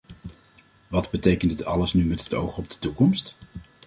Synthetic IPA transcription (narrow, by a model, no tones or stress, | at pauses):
ʋɑdbətejkəndɪtɑ̰ləsnymɛtɦəto̰wχɔb̚dətukɔmst